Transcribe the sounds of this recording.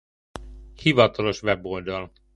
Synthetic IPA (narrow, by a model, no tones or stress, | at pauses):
hivɒt̪ɒlo̞ʃʋɛbo̞ld̪ɒl